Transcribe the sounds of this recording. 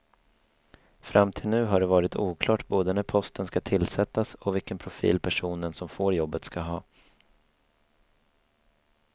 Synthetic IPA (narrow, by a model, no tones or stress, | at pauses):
fɾamt̪ʰɪlnʉ̟ːɦaɖɛvɑːɾɪt̪ʰuːkʰlɑːʈboːd̪ənæɾpʰɔst̪ənskat̪ʰɪlsɛt̪ːasɔvɪlkːənpʰɾʊfḭːlpʰæʂuːnənsɔmfoːɾjɔbːət̪skaɦɑː